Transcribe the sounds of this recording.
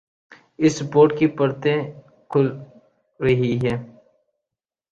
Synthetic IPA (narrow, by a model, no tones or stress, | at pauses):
ɪsːɐpoːɾʈkipɐɾt̪ẽ | kʰʊl | ɾɐɦiɦɛː